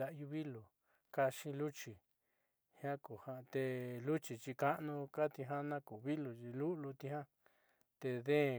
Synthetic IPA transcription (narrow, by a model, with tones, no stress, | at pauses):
a˧ʔju˧βi˦lu˨ | ka˧ʃĩ˧lu˦t͡ʃi˨ | hjã˦ku˨ha˧t̪e˧lu˦t͡ʃi˨t͡ʃi˧ka˦ʔnũ˧ka˦t̪i˧ɦã˦nã˦ku˨βi˦lu˨i˧lu˦˧lu˧t̪i˧ɦã˦ | t̪e˧ðẽ˦˨